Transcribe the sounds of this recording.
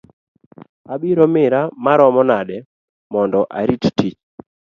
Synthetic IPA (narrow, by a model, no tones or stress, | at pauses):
abiɾɔmɪɾamaɾɔmɔnadɛ | mɔndɔʔa̰ɾittit͡ʃ